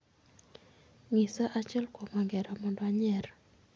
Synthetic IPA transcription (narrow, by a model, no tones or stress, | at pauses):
ŋisaʔat͡ʃɛlkwɔmaŋɡɛɾɔmɔndwaɲɛr